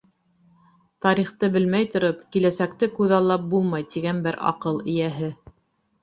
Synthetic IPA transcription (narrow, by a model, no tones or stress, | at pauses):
t̪ɑɾiχt̪ɤbɘlmæjt̪ŏɾopkilæsækt̪ɘkʉðɑlˠːɑp̚bulˠmɑjt̪iɡænbɘɾɑ̰qɤlˠɘ̆jæɦɘ